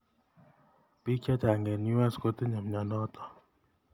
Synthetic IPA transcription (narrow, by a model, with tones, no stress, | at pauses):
pi˦kɛ˦ta˨ŋɡe˨nu˦a˦sko˦t̪i˦ɲa˨m˨ɲa˨nɔ˦t̪ɔ̥˨